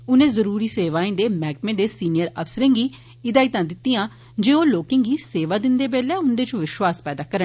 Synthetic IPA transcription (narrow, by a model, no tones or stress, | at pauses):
ʊnẽːzəɾuːɾiːseːʋaːẽːd̪eːmɛːk̚mẽːd̪eːsiːnɪjəɾəfsəɾẽːŋɡiː | ɪd̪aːit̪ãːd̪ɪt̪ːijãː | d͡ʒeːoːloːkɪ̃ːɡiːseːʋaːd̪ɪnd̪eːbeːlɛːʊnd̪eːt͡ʃõʋɪʃwaːspɛːd̪aːkəɾə